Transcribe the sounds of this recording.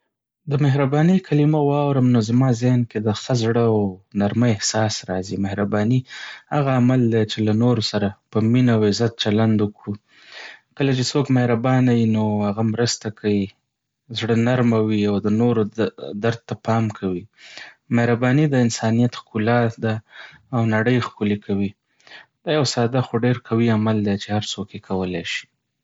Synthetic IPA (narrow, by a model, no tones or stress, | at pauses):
d̪əmɪɦɾabɑnəjkʰalimawɑwɾəmnozamɑzɪhnked̪əxəzɽəawnaɾməɪhsɑsɾɑzimɪhɾabɑnihaɣaːmald̪at͡ʃelanoɾosaɾapəminawɪzat̪̚t͡ʃaland̪wuku | kəlat͡ʃesokmɪhɾabɑnawinohaɣamɾəst̪akʰawi | zɽənaɾmawiawd̪ənoɾod̪aɾd̪̚t̪ːapɑmkʰawi | mahɾabɑnid̪əɪnsɑnijat̪xkulad̪aː | wnaɽəjxkʊlekʰawi | d̪̥ɑjawsɑd̪axoɖeɾkʰawiamald̪et͡ʃehaɾt͡sokjekʰawəlajʃi̥